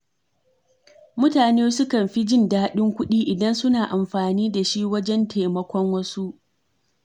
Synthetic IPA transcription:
mʊ˦taː˨neː˦sʊ˦kɐ˨mɸi˦d͡ʒɪ˦ndaː˦ɗɪ˦ŋkʷʊ˦ɗiː˦ʔɪ˨dɐ˦nsʊ˦naː˨ʔa˨mɸaː˨niː˦da˨ʃi˦wɐ˦d͡ʒɛ˦ntʰe˨mɐ˨kʷɔ˦ŋwɐ˦su˦ʔ

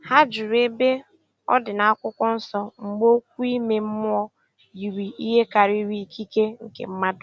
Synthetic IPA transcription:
ha˦d͡ʒʊ˨ɾe˦be˦ | ɔ̰˦dɪ˨na˨a˦kʷʊ˦kʷɔ˦n̩˦sɔ˦ŋ͡m̩˨ɡ͡bo˦kʷu˦i˦me˨m̩˦m˦ɔ˦ | i˨ɾi˨i˦ɦe˦ka˨ɾi˦ɾwi˨kʰi˦ke˦ŋ̩˨kḛ˨m̩˦ma˦dʊ˨

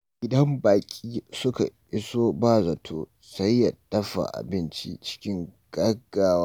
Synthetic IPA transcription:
ɡʲɪ˦dɐ˦mbaː˨kʲʼiː˦sʊ˦ka̰˨ʔɪ˦soː˦baː˦˨zɐ˨tʰoː˦ | sɐ˦jːɐ˨dɐ˦ɸa̰˨ʔa̰˨bɪ˦nt͡ʃḭ˦t͡ʃɪ̥˦kʲɪ˦ŋɡ̥ɐ˦ɡːaː˦waː˦

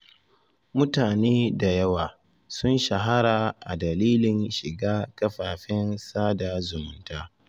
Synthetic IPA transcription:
mʊ˦taː˨neː˦da˨jɐ˦waː˨ | sʊ˦nʃa˨ɦa˦ɾaː˨ʔa̰˨dɐ˨liː˦lɪ˨nʃɪ˨ɡaː˦kɐ˦ɸaː˨ɸɪ˦nsaː˦da˨zʊ˨mʊ˨˦ntaː˦

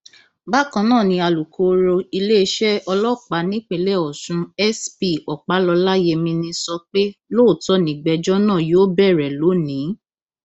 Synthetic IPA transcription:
ba˦kã˧nãː˦˨nĩ˧a˧lu˨kʰo˨˦ɾo˧i˧le˦˧ʃɛ˦ɔ˧lɔ˦˨k͡pa˨˦nĩ˦k͡pe˧˦lɛ˦˨ɔ˨sũ˧ɛ˦spi˦˨ɔ˨k͡pa˨˦lɔ˧la˦je˧mĩ˧nĩ˧sɔ˧k͡pe˦lo˦˨tɔ˧˦nĩ˨ɡ͡bɛ˧d͡ʒɔ˦nãː˦˨joː˨˦bɛ˦˨ɾɛ˨lo˨˦nĩ˨˦

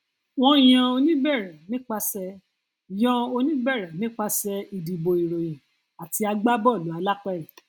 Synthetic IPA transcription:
w̃ɔ̃˦˨˦j̃ã˧o˧nĩ˦bɛ˦˨ɾã˨nĩ˦k͡pa˧sɛ˧˨ | jã˧˦o˧nĩ˦bɛ˦˨ɾã˨nĩ˦k͡pa˦sɛ˧i˧di˧bo˧i˨ɾo˨jĩ˨ | a˨ti˧a˧ɡ͡ba˦bɔ˦˨lu˨˦a˧la˦k͡pɛ˦i˨

